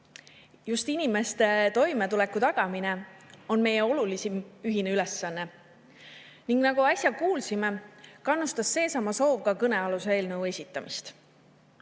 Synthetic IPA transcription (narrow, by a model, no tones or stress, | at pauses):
just̪inime̞st̪e̞t̪o̞jme̞t̪ule̞kːut̪ɑɡ̥ɑmine̞o̞nme̞jeo̞lulisimyɦineyle̞sːɑnːe̞ | niŋɡ̥nɑɡ̥uɑsʲjɑkuːlsime̞kɑnːust̪ɑsːe̞ːsɑmɑso̞ːvɡɑkɤne̞ɑluseeːlnɤuwe̞sʲit̪ˑːɑmist̪